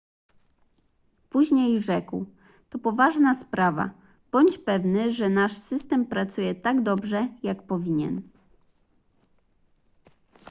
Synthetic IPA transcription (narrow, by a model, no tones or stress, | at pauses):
puʑɲejʐɛkw | t̪ɔpɔvaʐnaspɾava̰ | b̥ɔɲt͡ɕpɛvnɘʐɛnaʂsɘst̪ɛmpɾat̪sujɛt̪aɡd̪ɔbʐɛjakpɔvʲiɲɛ̰n